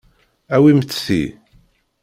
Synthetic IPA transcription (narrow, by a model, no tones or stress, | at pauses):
æwimət͡ssḭ